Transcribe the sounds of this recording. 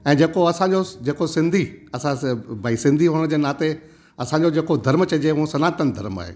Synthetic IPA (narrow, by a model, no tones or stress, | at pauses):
ɛ̃ːd͡ʑeːkoɐsãɲd͡ʑod͡ʑeːkosɪ̃nd̪ʱiɐsãbaːisɪ̃nd̪ʱiɦuːɽ̃d͡ʑeːnaːt̪e | ɐsãɲd͡ʑod͡ʑeːkod̪ʱɐɾmt͡ɕɐd͡ʑeɦuõsɐnaːt̪ənɪd̪ʱɐɾma̰ːɦḛː